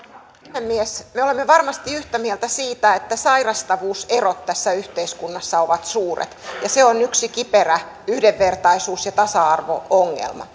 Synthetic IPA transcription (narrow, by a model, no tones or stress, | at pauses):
nemːiesmeolemːeʋɑrmɑst̪iyht̪æmielt̪æsiːt̪æet̪ːæsɑirɑst̪ɑʋuːserot̪tæsːæyht̪eiskunːɑsːɑoʋɑt̪suːrḛt̪jɑseonyksikiperæ | yhdeʋːert̪ɑisuːsjɑt̪ɑsɑɑrʋo̰oŋːḛlmɑ̰